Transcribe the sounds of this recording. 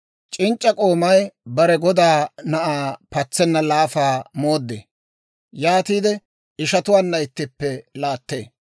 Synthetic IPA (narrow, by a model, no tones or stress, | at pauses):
t͡ʃʼɪnt͡ʃʼːɐkʼo̞ːmɐjbɐɾɛɡɔd̪aːnɐʔaːpɐt͡sːɛnːɐlaːfaːmo̞ːd̪ːḛː | jaːt̪iːd̪ɛ | ɪʃɐt̪ʊwaːnːɐɪt̪ːɪpːɛlaːt̪ːḛː